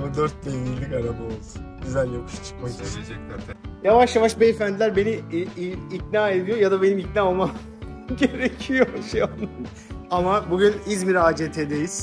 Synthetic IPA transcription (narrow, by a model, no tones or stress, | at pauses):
bud̪øɾt̪̚dejviɾlʲːikaɾabaolˠd̪unɟyzælʲjakɯʃḁt͡ʃʰɯ̥k̚makd̪eɾed͡ʒɛczaːd̪njavaʃjavaʃbeefænd̪ilʲæɾbe̞ni | icnaːe̞d̪ijo̞jad̪abe̞nimicnaːolˠmam | ɟe̞ɾecʰijoʃejanɯn | amabuɟynizmiɾaːd͡ʒet̪ʰed̪ejiz̥